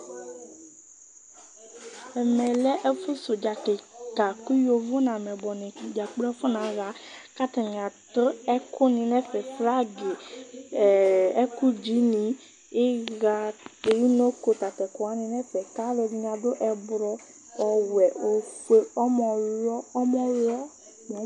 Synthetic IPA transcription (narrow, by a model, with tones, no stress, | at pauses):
ɛ˨mɛ˨lɛ˦ʔɛ˦fʊ˦sʊ˨d͡ʒa˨ke˨ka˨ku˦jo˨vʊ˦nã˨mɛ˨bɔ˨nĩ˨d͡ʒa˨k͡pɾɛ˦fʊ˦nã˨˦ɣa˨˦ka˦t̪a˨ɲ˨ã˨tə˦ɛ˦kʊ˦nĩ˨nɛ̃˦fɛ˨fla˦ɡe˨ | ɛ˦ku˦d͡ʒi˨˦nĩ˨ | ɪ˦ɣa˦˧de˨˦i˦no˦ko˨ta˨tɛ˨kʊ˨a˨˦nĩ˧nɛ˦fɛ˨ka˨˦lɔ˧di˨ɲ˨ã˨do˦ʔɛ˧bɾɔ˧ | ɔ˨wɛ˨o˨ke˦ɔ˦mɔ˨lɔ˦ɔ˦mɔ̃˨lɔ˦ | mɔ˨˦